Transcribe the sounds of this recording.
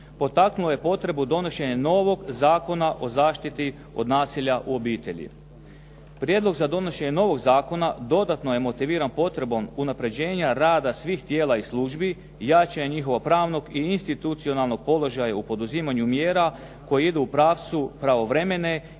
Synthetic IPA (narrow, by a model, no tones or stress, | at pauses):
po̞t̪aknuloje̞po̞t̪ɾe̞bud̪o̞no̞ʃe̞ɲeno̞ʋo̞ɡzaːko̞naʔo̞zaːʃt̪it̪i | o̞̰d̪naːsiʎaʔuo̞biːt̪e̞ʎḭ | pɾʲjed̪lˠo̞ɡzad̪o̞no̞ʃe̞ɲeno̞ʋo̞ɡzaːko̞nad̪o̞d̪at̪no̞je̞mo̞t̪iʋiːɾanpo̞t̪ɾe̞bo̞munapɾe̞d͡ʑe̞ːɲaɾaːd̪asʋiːxt̪je̞ːlˠaislˠuːʒbi | jat͡ʃaɲeɲixo̞ʋapɾaːʋno̞ɡiinst̪it̪ut̪sio̞nalˠno̞ɡ̥̚po̞lˠo̞ʒajaupo̞d̪uziːmaɲumje̞ːɾa | ko̞jiid̪uːpɾaːʋt̪supɾaʋo̞ʋɾe̞me̞ne̞